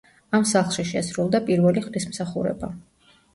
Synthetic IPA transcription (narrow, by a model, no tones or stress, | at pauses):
amsaχlˠʃiʃɛsɾulˠd̪apʼiɾvɛliχd̪ismsaχuɾɛ̰ba̰